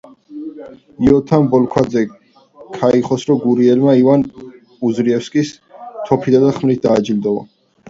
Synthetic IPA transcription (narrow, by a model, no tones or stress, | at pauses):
iɔt̪ʰambɔlkʰwad̪zɛ | kʰaiχɔsɾɔɡuɾiɛlmaivan | uzɾiɛfskʼis | t̪ʰɔpʰid̪ad̪aχmlit̪̚ʰd̪aːd͡ʒild̪ɔva̰